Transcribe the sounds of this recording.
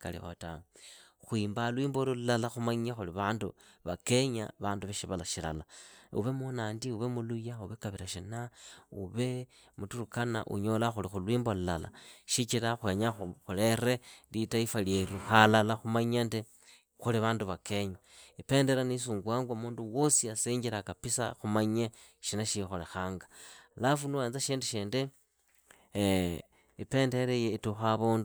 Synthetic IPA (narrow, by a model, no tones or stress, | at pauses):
ka̰lḭxotaŋxwiːmbalwiːmbolululalaxumaɲaxuliβaːndṵβake̞ɲa̰βaːnduβeʃiβalaʃila̰laṵβe̞munaːndiuβe̞mulujauβe̞kaβiɾaʃinauβe̞ | mutuɾukana̰ʔṵɲo̞laxulixulwiːmbolulala̰ʃit͡ʃiɾaxwe̞ɲaxuxule̞ɾe̞litaifaljeɾuxalalaxumaɲende | xuliβaːnduβake̞ɲoipe̞ːnde̞ɾanis̬uːŋɡwaːŋɡwamuːnduwo̞siaseɲɟiɾakapisa̰xumaɲe | ʃinaʃixolexaːŋɡḁlafunuweːnzaʃiːndeʃeːnde | ipe̞ːnde̞ɾejeituxaβuːndu